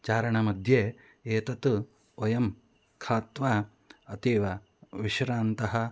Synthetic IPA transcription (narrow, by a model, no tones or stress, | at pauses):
t͡ʃaːɾɐɳɐmɐd̪ʱjeː | eːt̪ɐt̪u | ojɐm | kʰaːt̪ʋa | ɐt̪iːʋɐ | ʋiʃɾaːnt̪ɐɦɐ̆